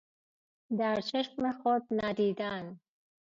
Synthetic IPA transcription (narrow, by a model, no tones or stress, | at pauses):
d̪aɾt͡ʃʰɪʃmexot̪̚nad̪id̪an